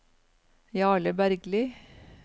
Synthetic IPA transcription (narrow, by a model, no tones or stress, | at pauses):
jɑːɭəbæɾɡliː